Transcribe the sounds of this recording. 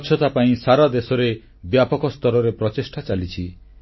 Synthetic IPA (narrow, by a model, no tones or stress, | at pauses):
t͡ʃʰɔt̪apaĩsaɾad̪esɔɾe | bjapɔkɔst̪ɔɾɔɾepɾɔt͡ʃesʈʰat͡ʃalit͡ʃʰi